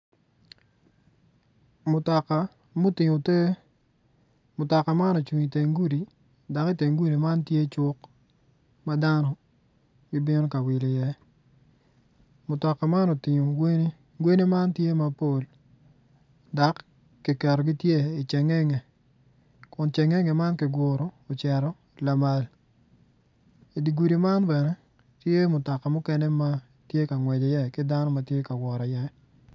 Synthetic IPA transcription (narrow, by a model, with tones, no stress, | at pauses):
mʊ˨ta˨ka˨ | mu˦tɪ˨ŋo˨te˦ | mʊ˨ta˨ka˨ma˦nɔ˨t͡ʃwi˨ŋi˨te˨ŋɡu˦ɾi˨ | da˨kɪ˦te˨ŋɡu˦ɾi˨ma˦ntje˦t͡ʃʊ˦k | ma˦da˦nɔ˨ | ɡɪ˦bɪ˦nɔ˦ka˨wɪ˨lɪ˨jɛ˦ | mʊ˨tɔ˨ka˨ma˦nɔ˨tɪ˨ɲo˨ɡe˦n˦ | ɡwe˦ne˦ma˦ntje˦ma˨po˦l | da˨kː | ɪ˨kɛ˨ɾɔ˨ɡɪ˦tje˦ɪ˨t͡ʃɛ˨ŋɛ˦ŋɛ˨ | kʊ˨nt͡ʃɛ˨ŋɛ˦ŋɛ˨ma˦nkɪ˨ɡʷʊ˨ɾoː˨t͡ʃɛ˨ɾɔ˦ | la˨ma˨l | i˨di˨ɡu˨ɾi˨ma˦nbɛ˨nɛ˦ | tje˦mʊ˨tɔ˨ka˨mʊ˦kɛ˦nɛ˦ma˦ | tje˦ka˨ŋwɛ˨d͡ʒɔ˨jɛ˦kɪ˦da˦nɔ˦ma˨tje˦ka˨wɔ˨ɾa˨jɛ˦